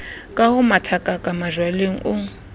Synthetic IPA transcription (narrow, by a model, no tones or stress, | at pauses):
kʼahʊmatʰakʼakʼamaʒwaleŋ̩ʔʊŋ̩